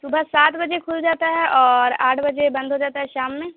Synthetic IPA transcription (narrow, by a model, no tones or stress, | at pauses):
sʊbʱasaːt̪bɐd͡ʒekʰʊld͡ʒaːt̪aɦɛʔɔːɾaːʈʰbɐd͡ʒebɐ̃nd̪ʱɦod͡ʒaːt̪aɦɛʃaːmːẽː